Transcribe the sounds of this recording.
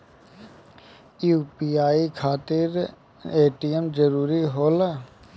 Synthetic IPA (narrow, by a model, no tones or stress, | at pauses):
juːpiːaːikʰaːt̪ɪɾ | eːʈijəmd͡ʒəɾuːɾiɦoːlə